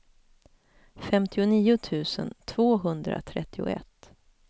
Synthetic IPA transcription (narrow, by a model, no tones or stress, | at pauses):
fɛmt̪ʰɪʊniːʊt̪ʰʉ̟ːsənt̪ʰv̥oːɦɵnd̪ɾa̰t̪ʰɾɛt̪ːɪʊ̰ɛ̰t̪ː